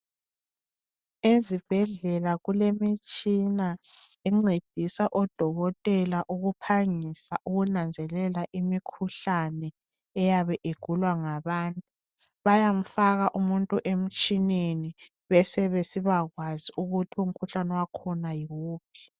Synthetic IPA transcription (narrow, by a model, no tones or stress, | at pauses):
ezib̥ʱɛɮɛlaɣulemit͡ʃʼinaɛŋ͡ǀed̥ʱisaʔɔd̥ʱɔɣɔtʼɛlaʔuɣupʰaŋisaʔuɣunand͡zʱɛlɛlaʔimikʰuɬanɛ | ɛjaβɛʔeɡ̥ʱulwaŋaβaːntʼu | βajam̩faɣaʔumuntʼuʔem̩t͡ʃʼineni | βɛsɛβesiβaɣwaziʔuɣutʰium̩kʰuɬanɛwakʰɔnajiwuːpʰi̥